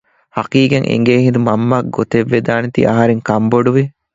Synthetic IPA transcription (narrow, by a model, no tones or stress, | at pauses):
hɐkiːɡeŋʔḛŋɡeːɦind̪umɐmːaːɡot̪eʋːed̪aːnet̪ḭʔɐ̰ɦɐɾeŋkɐmboɖuʋi